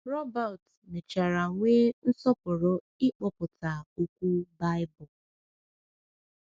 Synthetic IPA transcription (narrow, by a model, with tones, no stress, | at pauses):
ɾɔ˦ba˨t | me˨t͡ʃa˨ɾa˨ŋʷe˦n̩˦sɔ˦pʊ˨ɾʊ˦ | ɪ˦k͡pɔ˦pʊ˨ta˨o˦kʷu˦ba˦ɪ˦bʊ˨